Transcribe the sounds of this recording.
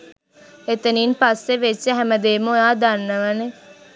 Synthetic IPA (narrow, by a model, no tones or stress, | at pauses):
et̪əniːnpasːeʋet͡ʃːeɦɛməd̪eːmojaːd̪anːəʋəne